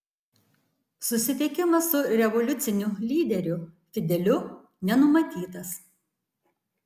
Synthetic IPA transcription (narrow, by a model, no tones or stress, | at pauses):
sʊsʲɪt̪ʲɪkʲɪmɐsʊɾʲɛʋɔlʲʊt̪sʲɪnʲʊlʲiːd̪ʲɛɾʲʊfʲɪd̪ʲɛlʲʊ | nʲɛnʊmɐt̪ʲiːt̪ɐs